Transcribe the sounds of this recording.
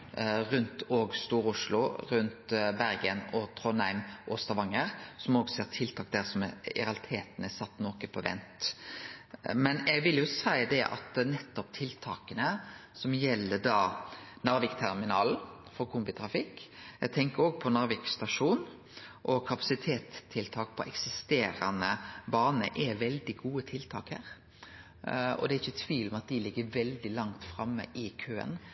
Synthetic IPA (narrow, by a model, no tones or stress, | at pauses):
ɾʉnt̪oːɡst̪uːɾʊʂlʊɾʉnt̪bæɾɡənɔt̪ʰɾoːnæɪmʔɔst̪ɑʋɑŋːəɾsɔmoːɡseːʁt̪ʰɪlt̪ʰɑːk̚d̪æʁsɔmɪ̰ɾɑlt̪ʰeːt̪nɛsɑt̪ːnɔkəpʰɔʋɛ̰nt̪ | mɛnɛɡʋɪljʊsæɪd̪ɛʔɑ̰t̪nɛt̪ːɔp̚t̪ʰɪlt̪ʰɑːkənəsɔmjɛlːəd̪ɑːnɑɾʋɪkt̪ʰæɾmɪnɑ̰ːln̩fɔɾkʰʊmbɪt̪ʰɾɑfɪkːɛɡt̪ʰɛŋkəɾoːɡpʰɔnɑɾʋɪkst̪ɑʂuːn | ʔɔkʰɑpɑsɪt̪ʰeːt̪ʰːɪlt̪ʰɑːk̚pʰɔʔɛksɪst̪eːɾɑnəbɑːnə̰ʔɛʋɛld̪ɪɡuːət̪ʰɪlt̪ʰɑ̰ːkhæ̰ɾ | ɔ̰d̪ɛɾɪçːət̪ʰʋiːlɔmɛɑt̪̚d̪ɪlɪɡːəʋɛld̪ɪlɑŋt̪fɾɑmːə̰ʔɪkʰøːə̰n